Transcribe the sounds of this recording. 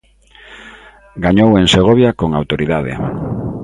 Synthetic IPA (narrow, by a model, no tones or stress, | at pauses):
ɡaɲoweŋseɣ̞oβjakoŋawt̪oɾiðaðḛ